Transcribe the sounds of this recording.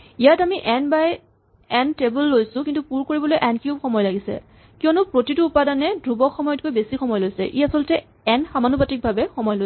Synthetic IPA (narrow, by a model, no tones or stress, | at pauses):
ijatamiʔɛnbaj | ɛntebulːojsʊ̃kĩntupuɹkoɹibɔlojʔɛnkjubxɔmɔjɔlaɡisɛ̰ | kiɔnʊpɹotituːpadanɛdʱɹubɔkxʰɔmɔjɔt̚kojbesixɔmɔjlojsɛ̰ʔiasɔltɛ | ɛnxamanupatik̚bʱabɛxɔmɔjlo